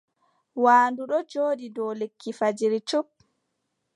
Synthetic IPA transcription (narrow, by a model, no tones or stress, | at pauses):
waːnduɗɔd͡ʒoːɗidɔlekʰːifad͡ʒiɾit͡ʃup̚